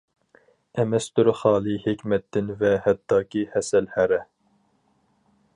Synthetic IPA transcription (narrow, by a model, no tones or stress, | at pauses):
ɛmɛst̪uɾχɑːlˠɨhekʲmɛt̪ʰːɪnvɛhɛt̪ːɑːkʲihɛsɛlhæɾɛ